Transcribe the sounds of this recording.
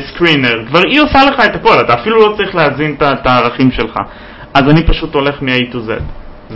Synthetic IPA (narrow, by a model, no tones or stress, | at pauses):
skʁineʁkvaʁiosale̞χae̞t̪ako̞lat̪aːfilulo̞t͡saʁiχleazint̪at̪aːʁaχimʃe̞lχa̰ | azanipaʃut̪o̞le̞χmeait̪ozḛt